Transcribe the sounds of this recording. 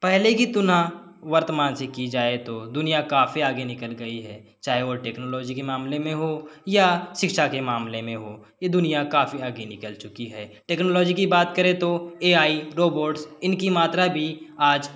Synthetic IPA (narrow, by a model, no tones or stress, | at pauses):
pɛɦlekit̪ʊnãʋəɾt̪əmaːnsɪkːid͡ʒaːet̪od̪ʊnijakaːfiaːɡenɪkəlɡɐiɦɛː | t͡ʃaːɦeʋoʈeːknoːlɔːd͡ʒikemaːmlemẽɦojaʃɪkʃakemaːmlemẽɦoː | jed̪ʊnijakaːfʰiaːɡenɪkəlt͡ʃʊkiɦɛːʈɛːknoːlɔːd͡ʒikibaːt̪kəɾet̪oeːaːiɾoːboːɾɖsɪnkimaːt̪ɾabʱiaːd͡ʒ